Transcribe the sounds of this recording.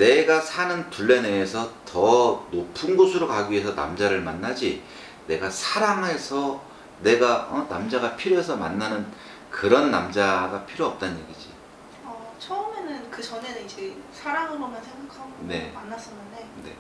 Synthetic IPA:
ne̞ɡasʰanɯntuɭːe̞neːsʰʌtʌnopʰɯnɡosʰɯɾokaɡie̞sʰʌna̰md͡ʑaɾɯɭmanːad͡ʑi | ne̞ɡasʰaɾaŋɦe̞sʰʌ | ne̞ɡaʌnamd͡ʑaɡapʰiɾjoɦesʰʌma̰nːanɯn | kɯɾʌnːa̰md͡ʑaɡapʰiɾjoʌp̚t͈anɲje̞̰ɡid͡ʑi | ʌt͡ɕʰʌɯmenɯnkɯt͡ɕʌne̞nɯid͡ʑesʰaɾaŋɯɾomjʌnsʰe̞ŋɡakʰaɡne̞manːas͈ʌnːɯnde̞ne̞

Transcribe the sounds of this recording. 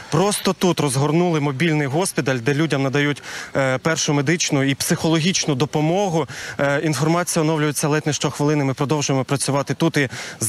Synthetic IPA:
pɾɔst̪ɔt̪ut̪rɔzɦɔrnulˠɪmɔbʲilʲnɪjɦɔsʲpʲit̪ɐlʲd̪ɛlʲudʲɐmnɐd̪ɐjutʲpɛrʃʊmed̪ɪt͡ʃnʊipsɪxɔlˠɔɦʲit͡ʃnʊd̪ɔpɔmɔɦʊinfɔrmɑt͡sʲijɐɔnɔwlʲʊjet͡sʲːɐlˠɛt̪ʲnɪʃt͡ʃɔxʋɪlˠɪnɪmɪpɾɔd̪ɔwʒʊjemɔpɾɐt͡sʲʊʋɑt̪ɪt̪ut̪iz

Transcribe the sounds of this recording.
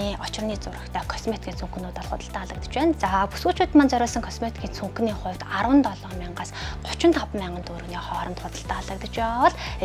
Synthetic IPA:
iːɔt͡ɕɪ̆rniːt͡sʊrə̆xt̪ʰœːkʰɔsmet̪̚ɡʲiːnt͡sʰuŋx̆nuːt̪ɔɮχʊ̰t̪ə̆ɬt̪æːɮə̆k̚t̪ə̥̆t͡ɕpæːnt͡sapusɣuːt͡ɕʰuːt̪maːnt͡sœɾʲʊːɮsə̆ŋkʰɔsmet̪ɡʲiːnt͡sʰuŋkniːχʊ̟wt̪arwə̆nt̪ɔɮɔːmiɴɢaːsχʊ̥t͡ɕɪ̆nt̪ʰɔpmːæːɴɢə̆nt̪uɾ̆ɣniːχɔːɾə̆nt̪χʊt̪ə̆ɬt̪æːaɮə̆k̚t̪ə̆t͡ɕpaːʁaːwə̆ɮ

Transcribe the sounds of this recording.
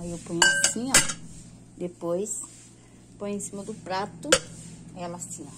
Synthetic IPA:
aiewpõɲmast͡ʃĩɲɐ̃ | d̪epojs | põjẽsĩmɐd̪ʊpɾat̪ʊajɐmast͡ʃĩɐ

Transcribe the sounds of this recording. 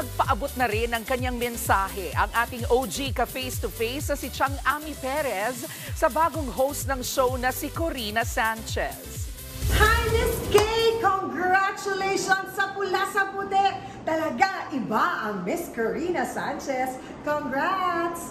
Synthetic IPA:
ɐɡ̚pɐʔɐbot̪̚nɐɾɪnɐŋkɐɲːaŋmɛnsaːhɛʔɐŋʔaːt̪ɪŋʔowd͡ʒikɐfejst̪ʊfejsnɐsɪt͡ʃaŋʔamipɛɾɛsː | ɐbaːɡoŋhowst̪nɐŋʃownɐsikoɾiːnɐsant͡ʃɛ̰s | hajlɪskekoŋɡɹat͡ʃʊlejʃɔnsɐpʊlasɐpʊt̪ɛ | t̪ɐlɐɡaʔɪbaʔɐŋmɪskɔɹinɐsant͡ʃɛs | koŋɡɹat

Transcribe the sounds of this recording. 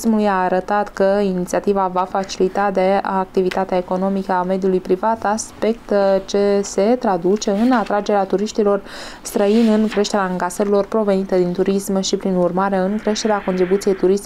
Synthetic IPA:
smulujaːɾət̪at̪kəinit̪siat̪ivavafat͡ʃilit̪ad̪e̞ak̚t̪ivit̪at̪eaeko̞no̞mikəame̞d̪julujpɾivat̪aspe̞k̚t̪t͡ʃe̞se̞t̪ɾad̪ut͡ʃe̞ɨnat̪ɾad͡ʒe̞ɾeat̪uɾiʃt̪ilo̞r | st̪ɾəinɨnkɾe̞ʃt̪e̞ɾeaaŋkasəɾilo̞rpɾo̞ve̞nit̪əd̪int̪uɾismʃipɾinurmaɾe̞ɨŋkɾe̞ʃt̪e̞ɾeako̞nt̪ɾibut̪sije̞jt̪uɾis

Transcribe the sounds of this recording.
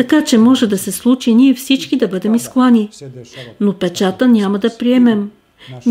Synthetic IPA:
t̪ɐkat͡ʃɛmɔʒɛd̪ɐsɛslˠut͡ʃiniɛfsit͡ʃkid̪ɐbɤd̪ɛmisklˠani | nopɛt͡ʃat̪ənʲaməd̪ɐpɾiɛmɛmʲ

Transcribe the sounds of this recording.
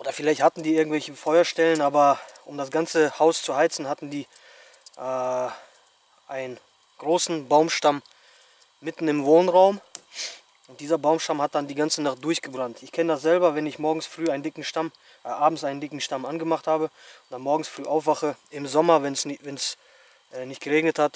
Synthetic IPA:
ʔoːdɐfɪlaɪçthatn̩diːɪɐɡŋ̩tv̥ɛlçəfɔʏɐʃtɛlənʔaːbɐʔʊmdasɡ̥ant͡səhaʊst͡suhaɪt͡sn̩hatn̩diː | ʔɛ | ʔaɪnən | ɡ̥ʁoːsn̩baʊmʃtamː | ɪtn̩ɪmvoːnʁaʊm | ʔʊnt̚d̥iːzɐbaʊmʃtamhat̚d̥andiːɡant͡sənaχt̚d̥ʊɐçɡ̥əbʁantɪçkʰɛnədasz̥ɛlbɐvɛnɪçmɔɐɡŋ̩sfʁ̥yːaɪndɪkŋ̩ʃtam | ʔʔaːbm̩sʔaɪnəndɪkŋ̩ʃtamʔanɡəmaχthaːbəʊntd̥anmɔɐɡŋ̩sfʁ̥yːʔaʊfv̥aχəʔɪmzɔmɐvɛnsvɛns | ʔɛːnɪçtɡ̥əʁeːɡnəthat

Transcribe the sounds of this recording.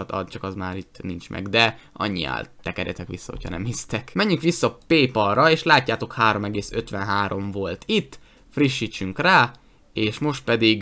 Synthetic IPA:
ɒt̪ɒ̰d̪t͡ʃɒkɒzmaːɾit̪ːnint͡ʃmʔɛ̰ɡd̪ɛɒ̰ɲːḭa̰ːlt̪ɛkɛɾjɛ̰t̪ɛkʋisːɒ̰ho̞̰cʰhɒ̰nɛ̰mhist̪ɛkmɛɲːyŋkʋisːɒpeːpɒrːɒeːʃlaːcːaːt̪o̞khaːɾo̞mɛɡeːsø̰t̪ʋɛnɦaːɾo̞ɱvo̞lt̪ʰit̪ː | friʃːiːt͡ʃyŋkraː | eːʃmo̞ʃt̪̚pɛd̪iɡ

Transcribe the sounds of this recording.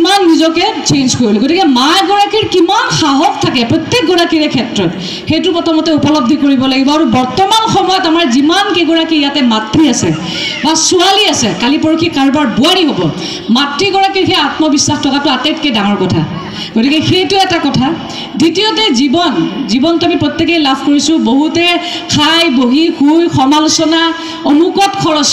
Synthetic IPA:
imanːizɔkɛt͡ʃenzkoɹilɛɡotikɛmajɡɔɹakiɹkimanxaɦɔktʰakɛpɹɔt̪ːek̚ɡɔɹakiɹɛkʰɛtɹɔt | xejtʊpɔtʰɔmɔtɛupɔlɔb̚d̪ʱikoɹibɔlaɡibɔaɹubɔɹtɔmanxɔmɔjɔtamaɹzimankejɡɔɹakijatɛmatɹiasɛ̰ | basualiasɛkalipoɹokʰikaɹbaɹbuaɹiɦobɔ | matɹiɡɔɹakixeatmɔbisːaxtʰɔkatʊatajt̚kedaŋɔɹkɔtʰa̰ | ɡ̥otikɛxejtuɛtakɔtʰa | ditiɔt̬ɛzibɔnzibɔntuamipɹɔt̪ːek̬ejlabʱkoɹisʊboɦutɛ | kʰajboɦikʰujxɔmalɔsɔna | ɔnukɔtkʰɔɹɔs

